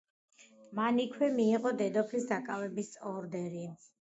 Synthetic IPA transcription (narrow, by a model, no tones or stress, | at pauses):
manikʰwɛmiːʁɔd̪ɛd̪ɔpʰlisd̪akʼavɛbisɔɾd̪ɛɾi